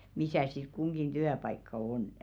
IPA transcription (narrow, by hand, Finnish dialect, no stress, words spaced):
misæˑ sit kuŋɡ̊in tyæpɑikːɑ onˑə̆